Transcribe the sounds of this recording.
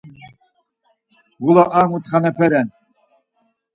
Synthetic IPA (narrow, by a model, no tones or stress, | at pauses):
ɣulaʔamut̪χanɛpʰɛɾɛn